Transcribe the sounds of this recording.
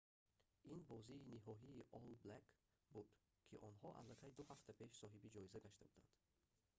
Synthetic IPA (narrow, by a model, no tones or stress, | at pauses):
ʔinbɔziːniɦɔɦiːʔɔlblak | bud̪̥ | kʰiʔɔnhɔʔa̰lːakʰajd̪uhaft̪ʰapʰe̞ʃsɔɦibid͡ʒɔizaɡaʃt̪abud̪a̰nd̪̥